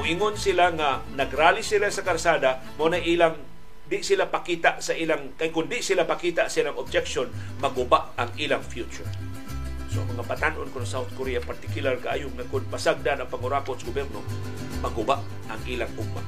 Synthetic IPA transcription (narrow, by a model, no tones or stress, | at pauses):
ɪŋonsɪlaŋanaɡɾaːlɪsɪlasakaɾsaːd̪a | monaʔilaŋ | d̪ɪʔsɪlapakiːt̪aʔsaʔiːlaŋkajkʊnd̪ɪʔsɪlapakiːt̪aʔsilaŋob̚d͡ʒɛk̚ʃon | mɐɡʊbaʔaŋʔiːlaŋfjut͡ʃʊɹ | soa̰ŋmɐŋabat̪anʔonkonsawθ̚koɾijapaɾt̪ɪkjʊlarkaʔa̰ːjʊŋakʊnpasaɡ̚d̪anɐŋpaŋʊɾakot̪sɡʊbɛɾno̰ | mɐɡʊbaʔ | aŋʔiːlaŋpuɡ̚ma̰